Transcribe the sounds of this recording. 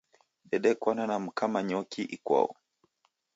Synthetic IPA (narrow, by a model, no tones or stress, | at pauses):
ɗɛɗɛkwananam̩kamaɲɔkiʔikwa̰ɔ̰